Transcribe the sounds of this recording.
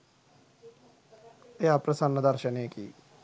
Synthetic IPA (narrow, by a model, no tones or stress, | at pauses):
eapɾəsənːd̪əɾʃəneːkḭː